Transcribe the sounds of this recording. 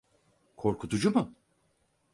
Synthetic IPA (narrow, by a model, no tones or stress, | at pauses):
kʰo̞ɾkʰut̪ʰud͡ʒumʊ